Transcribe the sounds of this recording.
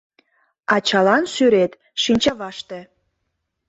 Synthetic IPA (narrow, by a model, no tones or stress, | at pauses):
ɑt͡ɕɑlɑnʃyɾet̪ | ʃinʲt͡ɕɑβɑʃt̪e